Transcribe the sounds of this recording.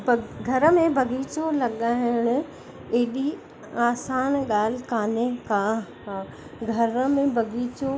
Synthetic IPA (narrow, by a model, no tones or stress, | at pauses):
bɡʱɐɾə̆mẽbʱɐɡʱiːt͡ɕolɐɠaːɪɪɽ̃ʊ̆ | eːɗi | aːsaːnɠaːl̤ɪkaːnẽka | ɡʱɐɾəmẽbʱɐɡiːt͡ɕo